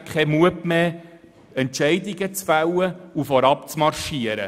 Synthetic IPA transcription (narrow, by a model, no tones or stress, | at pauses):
kʰχɛmuəpmeː | ɛntʃɛɪd̪iɡət͡sfæwəufɔɾɑpt͡smɑrʃiəɾə̰